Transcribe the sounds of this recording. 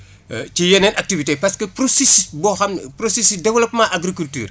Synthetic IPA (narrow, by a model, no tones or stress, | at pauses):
cijɛnɛnʔɐk̚tivitepɐskəpɾosisisbɔxɐmpɾosesidɛwɐlɐpmaʔaɡɾikulty̰ːr